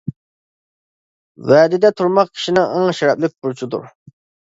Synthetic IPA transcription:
vɛːd̪ɪd̪ɛt̪ʰuɾmɑq̚kʲʰi̥ʃinɪəŋʃɛɾɛplɪk̚ʲbuɾt͡ʃʰud̪ṵɾ

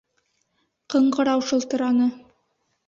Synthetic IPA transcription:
qɤ̆ɴɢɤ̆ɾɑwʃɤ̆lˠt̪ɤ̆ɾɑnɤ

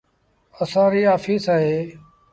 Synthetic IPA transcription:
əsãːɾiːaːfiːsaːɦeː

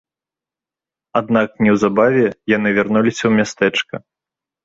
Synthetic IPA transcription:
ad̪nak̚nʲɛwzabavʲɛjanɨvʲarnulʲisʲɐwmʲast̪ɛt͡ʂkɐ̰

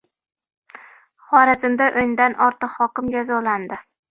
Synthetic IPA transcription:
χɒɾazɪmd̪aʔonɪd̪anʔɒɾt̪ɨqhɒkʲɪmd͡ʒazɒland̪ɪ

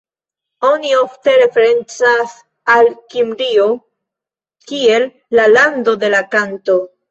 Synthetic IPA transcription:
o̞nio̞fte̞ɾe̞fe̞ɾe̞nt͡sas | alkimɾio̞ | kie̞lː | alando̞de̞lakanto̞

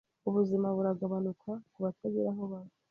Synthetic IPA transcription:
uβuzimaβuɾaɡaβanukʰakuβateɡeɾaɦoβa

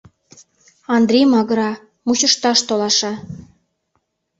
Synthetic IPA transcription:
ɑnd̪ɾʲejmɑɣəɾɑ | muɕəʃt̪ɑʃt̪olɑʃɑ

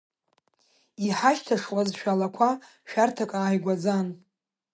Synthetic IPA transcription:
iħaʃtʰaʂwʼazʃᶣalakʷʰa | ʃᶣartʰakʼaːjɡʷad͡zan

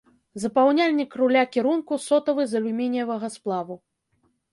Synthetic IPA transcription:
zɐpawnʲalʲnʲikrulʲakʲiɾunkusɔt̪ɐvɨzɐlʲumʲenʲjɐvɐɣɐsplˠavu

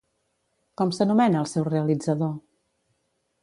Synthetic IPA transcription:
kɔmsənumɛnəːlˠsɛwreəlid͡zəðo

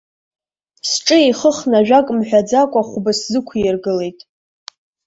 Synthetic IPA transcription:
sʈ͡ʂʼɨejχəχnaʒᶣakʼmħʷᶣad͡zakʷʼaχʷbɨszɨkʷʰijrɡɨle̞jtʼ

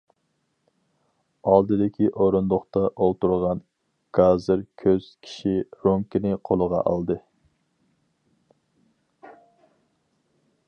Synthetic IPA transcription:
ɑlˠd̪ɨd̪ɪkʲʰiʔoɾund̪oχt̪ɑʔolˠt̪uɾʁɑn | ɡ̥ɑzɨɾkʲʰøz̥kʲʰi̥ʃiɾoŋkʲinɪqʰolˠəʁɑ̰ʔɑ̰lˠd̪ɨ

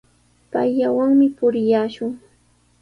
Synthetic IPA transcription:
pajʎawaŋmɪpʊɾɪjaːʃʊŋ

